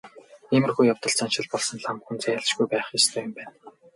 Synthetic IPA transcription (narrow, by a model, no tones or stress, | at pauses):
emɘ̆rxujːawt̪ɞ̆ɮt͡sʰanʃɪ̆ɮpɔɮsɞ̆nɮamxunt͡seːjaɮt͡ɕɡujpæːχist̪ʰœːjʊ̆mpæːn